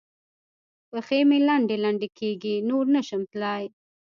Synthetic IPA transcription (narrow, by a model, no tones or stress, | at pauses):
pəxemelaɳɖelaɳɖekʰeɡinoɾnəʃəmt̪lɑj